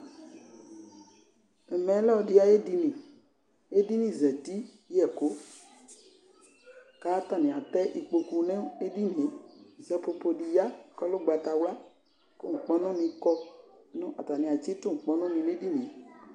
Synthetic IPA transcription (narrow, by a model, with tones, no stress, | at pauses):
ɛ˨mɛ̃˨˦lɛ˦ɔ˨di˨˦a˨je˦di˧nĩ˨ | e˦di˦nĩ˨zɛ˨ti˦ | jɛ˨ko˦ | ka˨˦ta˨nĩ˨a˨t̪ɛ˦ʔi˨k͡po˧ku˧nɛ̃˦e˦di˦nẽ˨˦zɛ˨po˧po˨di˨ja˦˨kɔ˦lʊ˦ɡ͡ba˨ta˨wla˦ | ko̰˦ŋ̩˨k͡pɔ˦nɔ̃˦nĩ˧kɔ˧ | nʊ̃˦ʔa̰˨ta˨nĩ˨a˨t͡ʃi˦tʊ˦ŋ̩˨k͡pɔ˦nɔ̃˦nĩ˨nẽ˦di˦nĩ˨